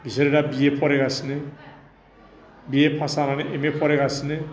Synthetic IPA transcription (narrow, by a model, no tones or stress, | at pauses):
bʱisɔɾeɾabiepʰɔɾeɡasine | biepʰasaɾaneʔemepʰɔɾeɡasine